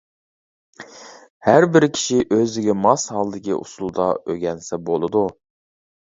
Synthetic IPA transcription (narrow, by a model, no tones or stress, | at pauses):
hæɾbɪɾkʲʰi̥ʃiʔøzd̪ɪɡʲɛmɑshɑlˠd̪ɪkʲḭʔṵsulˠd̪ɑ̰ʔøɡʲɛnsɛbolˠɨd̪u